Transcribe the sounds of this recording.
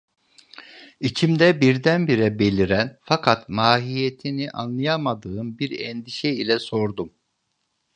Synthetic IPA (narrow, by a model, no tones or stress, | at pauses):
it͡ʃʰimd̪ɛbiɾd̪ænbiɾɛbe̞lʲiɾænfakʰat̪maːɦijet̪ʰiniʔa̰nlˠɯjamad̪ɯːmbiɾɛ̰nd̪iʃɛilʲɛso̞ɾd̪um